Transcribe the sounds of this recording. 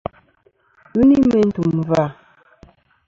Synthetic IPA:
ʉ˦ni˦mɛ˨n̩˦tu˨mva˦˨

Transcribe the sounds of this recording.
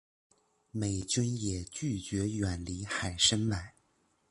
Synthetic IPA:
me˨˩ɪt͡ɕi˥njɛ˨˩t͡ɕy˥˩t͡ɕɥɛ˧˥ɥɛ˨˩nli˧˥xa˨˩ɪʂə˥nma˨˩˦ɪ

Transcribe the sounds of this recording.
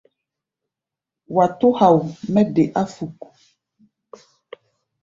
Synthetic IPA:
wa˨to˦ha˨wmɛ˦de˨ʔa˦fu˨ku̥˨

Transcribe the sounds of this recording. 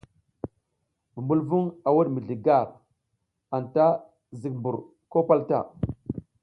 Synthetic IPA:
bu˨mbu˦lvu˦ŋa˨wa˦ɗmi˨ɮi˨ɡa˦˨ɾ | a˨nta˦ | zi˨k̚mbu˨ɾ | ko˦pa˦lta̰˦˨

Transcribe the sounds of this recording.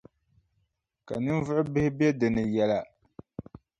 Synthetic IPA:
ka̰˨nɨ˦n˦vʊ˦ʔʊ˦bɪ˦hɪ˦bɛ˦dɨ˨nɨ˨jɛ˦la˨

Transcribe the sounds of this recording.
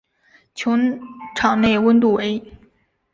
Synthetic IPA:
t͡ɕʰjʊ˧˥ŋʈ͡ʂʰɑ˨˩ŋne˥˩ɪwə˥nt̪̬u˥˩we˧˥ɪ

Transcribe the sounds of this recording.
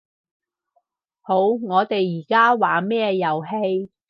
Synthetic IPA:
ho˨˥wŋɔː˨˧t̪e˨jːiː˨˩kaː˥waː˨mɛː˥jɐ˨wɦe˧j

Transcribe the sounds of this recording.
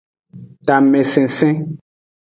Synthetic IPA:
ta˨me˨sɛ̃˨sɛ̃˦

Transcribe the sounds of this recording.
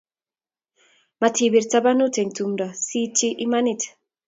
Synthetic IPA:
ma˨tʰi˨bi˨ɾta˦ba˦nu˦te˨ŋtumdɔ˨si˦t͡ʃi˦ʔi˦ma˦nit

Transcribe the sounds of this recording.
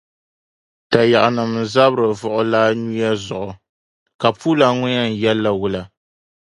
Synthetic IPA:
ta˨ja˨ʔa˨nɨ˨mza˦bɾɨ˨vʊ˨ʔʊ˨laː˦nu˦ja˦zʊ˨ʔʊ˨ | ka˨pu˦la˨ŋʊ˦ɲja˦n̩˨jɛ˦lːa˨wʊ˦la˦

